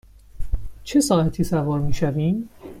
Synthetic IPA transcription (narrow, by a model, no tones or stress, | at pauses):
t͡ʃʰe̞sɒːʔæt̪ʰiːsævɒːɾmiːʃæviːm